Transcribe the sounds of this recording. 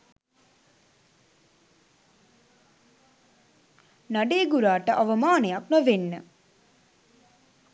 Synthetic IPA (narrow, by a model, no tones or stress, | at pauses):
naɖeːɡuɾaːʈəʔaʋəmaːnejak̚nəʋenːə